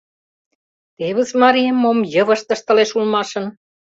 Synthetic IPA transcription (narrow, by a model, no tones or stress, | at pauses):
t̪eβə̆smɑɾijemːomjə̆βə̆ʃt̪ə̆ʃt̪ə̆leʃulmɑʃɤ̆n